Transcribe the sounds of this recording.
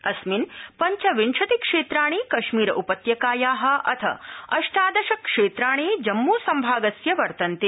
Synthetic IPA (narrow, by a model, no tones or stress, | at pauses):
ɐsminpɐɲt͡ʃɐʋiɳʂɐt̪ikʂeːt̪ɾaːɳ̃eːkɐʂmiːɾɐʔupɐt̪jɐkaːjaːɦɐ̆ʔɐt̪ʰɐ̰ɐʃʈaːd̪ɐʃɐkʂeːt̪ɾaːɳ̃eːd͡ʒɐmːuːsɐmbʱaːɡɐsjɐʋɐɾt̪ɐnt̪e